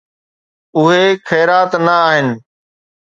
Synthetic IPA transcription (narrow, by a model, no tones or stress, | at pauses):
ʊɦexʰɛːɾaːt̪nəaːɦɪnɪ̆